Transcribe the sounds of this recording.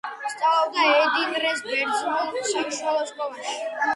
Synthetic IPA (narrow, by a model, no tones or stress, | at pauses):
st̪sʼalɔbd̪aɛd̪inɾɛsbɛɾsʰulɔʃiʃɔlɔskʼɔvaʃi̥